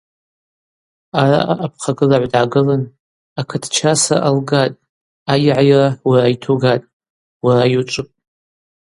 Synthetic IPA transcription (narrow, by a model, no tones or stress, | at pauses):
aɾa̰ʔaʔapʰχʰaɡɨlaʕʷdʕaɡɨlan | akʰɨtʰt͡ʃʰasa̰ʔalɡatʼ | ajʕajrawaɾaitʰuɡatʼ | waɾajuʈ͡ʂʷʼɨpʼ